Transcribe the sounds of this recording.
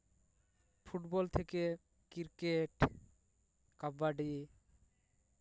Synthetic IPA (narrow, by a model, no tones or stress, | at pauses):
fʰuʈbɔlt̪ʰeke | kiɾkeʈ | kabbaɖi